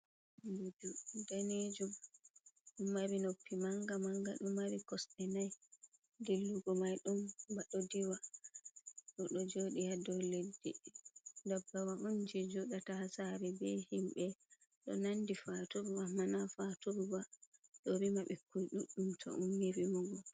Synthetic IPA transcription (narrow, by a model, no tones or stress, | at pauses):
bud͡ʒudaned͡ʒum | ɗumːaɾinopʰːimaŋɡamaŋɡa̰ɗumːaɾikɔsɗɛnaj | dilːuɡɔmajɗumbaɗɔdiwa | ɗɔɗɔd͡ʒoɗihadɔledːḭ | dabːawaʔund͡ʒid͡ʒuɗatahasaɾɛbɛhimɓɛ | ɗɔ̰nandifatuɾwamanafatuɾwaɗɔɾimaɓɛkujɗuɗːumtʰɔ̰ʔṵmhewimɔɡɔ